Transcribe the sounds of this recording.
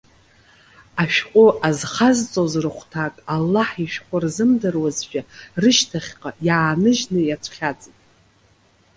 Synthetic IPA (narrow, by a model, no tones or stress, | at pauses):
aʃᶣqʷʼʊʔazχazt͡sʼozrɨχʷtʰakʼalːaħiʃᶣqʷʼʊrzɨmdɨrwazʒᶣarɨʃtʰaχʲqʼajaːnɨʒnɨjat͡sʷʰχʲat͡sʼitʼ